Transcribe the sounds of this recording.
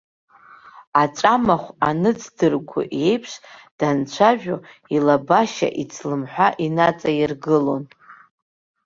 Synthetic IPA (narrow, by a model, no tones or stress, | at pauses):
at͡ʃʷʼamaχʷanɨt͡sʰdɨrɡʷʊ̰ʔe̞jpʰʂd̥ant͡ɕʷʰaʒᶣoilabaʃa̰ʔit͡sʰlɨmħʷᶣaʔinat͡sʼajirɡɨlo̞n